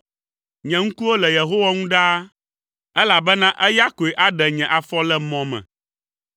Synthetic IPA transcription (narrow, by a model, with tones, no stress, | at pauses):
ɲɛ̃˨ŋũ˦ku˦wo˦lɛ˨je˨ɦo˦wa˦ŋũ˦ɖa˦ | ɛ˦la˨bɛ˦nã˦ʔɛ˦ja˦ko˨e˨ʔa˦ɖɛ˨ɲɛ̃˨ʔa˨fɔ˦lɛ˦mɔ̃˨mɛ̰̃˨